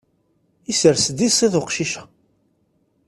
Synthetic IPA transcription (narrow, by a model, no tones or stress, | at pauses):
isəɾsd̪isˤiðʊqʃiʃæ̥